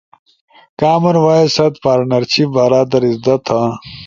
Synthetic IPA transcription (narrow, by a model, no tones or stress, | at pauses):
kaːmɐɾwaːisɐt̪paːɾnɐɾt͡ɕʰibɐɾaːd̪ɐɾizd̪ɐt̪ʰa